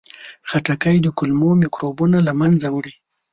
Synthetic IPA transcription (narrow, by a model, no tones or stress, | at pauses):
xaʈakajd̪əkʊlmomikɾobunalamanzawɽi